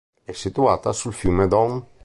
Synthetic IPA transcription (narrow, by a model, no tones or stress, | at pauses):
ɛsit̪uaːt̪asulfjumed̪ɔŋ